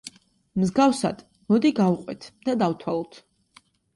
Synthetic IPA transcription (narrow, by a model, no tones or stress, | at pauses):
mzɡafsa̰d̪̥ | mɔd̪iɡavqʼwɛ̰t̪ʰd̪̥ad̪awt̪ʰwalˠɔt̪ʰ